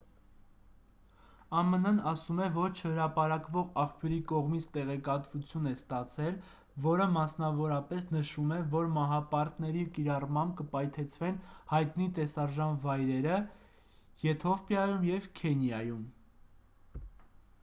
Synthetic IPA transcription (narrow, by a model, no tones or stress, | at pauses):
ɑmənənɑsumɛvɔɾt͡ʃʰəhəɾɑpɑɾɑkvɔʁɑχpʰjuɾikɔʁmit͡sʰt̪ɛʁɛkɑt̪vut͡sʰjunɛst̪ɑt͡sʰɛl | vɔɾəmɑsnɑvɔɾɑpɛsnəʃumɛvɔɾmɑɦɑpɑɾt̪nɛɾikiɾɑrmɑmb̚kəpɑjt̪ʰɛt͡sʰvɛnhɑjt̪nit̪ɛsɑɾʒɑnvɑjɾɛɾə | jɛt̪ʰɔfpjɑjumjɛvkʰɛnjɑjum